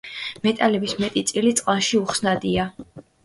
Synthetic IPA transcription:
mɛt̪ʼalɛbismɛt̪ʼit̪sʼilit̪sʼqʼanʃiuχsnad̪ia

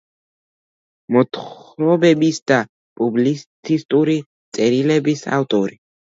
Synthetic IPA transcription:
mɔt̪ʰχɾɔbɛbisd̪̥a | pʼublist̪ʰist̪ʼuɾi | t̪sʼɛɾilɛbisa̰ft̪ʼɔɾi

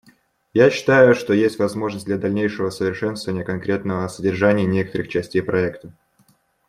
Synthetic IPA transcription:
jaɕːɪ̥t̪ajʊʂt̪o̞jesʲtʲvɐzmo̞ʐnəsʲt̚ʲdlʲad̪ɐlʲnʲejʂəvəsəvʲɪrʂɛnst̪əvənʲɪjəkɐnkɾʲe̞t̪nəvəɐsədʲɪrʐanʲɪɪnʲe̞kə̥t̪əɾɨxt͡ɕɛsʲtʲejpɾʔɐɛkt̪ə

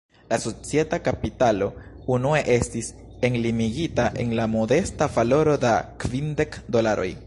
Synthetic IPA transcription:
laso̞t͡sije̞takapitalo̞ | unue̞ʔe̞stis | e̞nlimiɡitaʔe̞̰nlamo̞de̞stavalo̞ɾo̞dakvinde̞kdo̞laɾo̞̰j

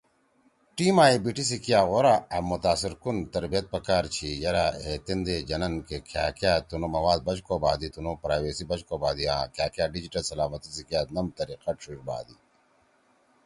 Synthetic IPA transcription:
ʈiːmaːibiʈis̬ikijaːɣoɾaɐmːut̪aːsiɾkunt̪ɐɾbijɐt̪̚pɐkaːɾt͡ɕʰijɐɾaːet̪ind̪eːd͡ʒɐnɐnkekʰjaːkjaːt̪unomɐwaːd̪̚bɐt͡ʃkoːbaːd̪it̪unopɾaːjʋeːsibɐt͡ʃkoːbaːd̪iãːkjaːkjaːɖid͡ʑiʈɐlsɐlaːmɐt̪isikjaːt̪nɐmt̪ɐɾiqɐʈɕuʃba̰ːd̪i

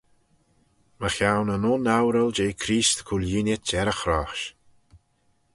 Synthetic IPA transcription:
məxjawnənɔnawɾəld͡ʒeːjkʰɾiːst̪kʰuljinʲətɛɾəxɾɔxʃ

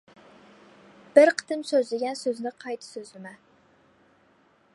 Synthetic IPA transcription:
b̥ɪɾqʰə̥t̪ɨmsøzlɪɡʲɛnsøznɪqʰɑjt̪ʰɨ̥søzlɪmɛ

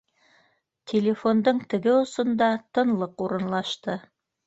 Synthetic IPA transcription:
t̪ʲʰelʲefo̞nd̪ɤɴt̪ɘ̆ɡɘŏsɤ̆nd̪ɑt̪ɤ̆nlˠɤquɾɤ̆nlˠɑʃt̪ɤ

